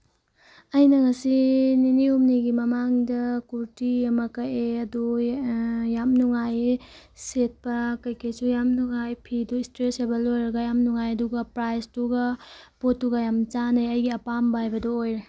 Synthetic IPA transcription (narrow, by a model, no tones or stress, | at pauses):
ɐjnɐŋɐsininiumniɡimɐmaŋdɐkuɾtiɐmɐkɐeɐdu | jamnuŋaj | set̚pɐkɐjkʰejsujamnuŋajpʰiduistɾesebelojɾɐɡɐjamnuŋajɐduɡɐpɾajstuɡɐpotːuɡajamt͡ʃanɐjɐjɡiɐpambahajbɐdoojɾe